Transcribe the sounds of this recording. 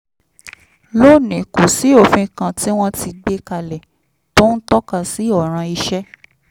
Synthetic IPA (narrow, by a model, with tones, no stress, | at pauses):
lo˦˨nɛ̃˨ko˨si˨˦o˦˨fĩ˧kã˧ti˦w̃ɔ̃˦ti˧ɡ͡be˧˦ka˧lɛ˨ | to˦n̩˦tɔ˦ka˦˧˨si˨˦ɔ˨ɾ̃ã˧i˧ʃɛ˦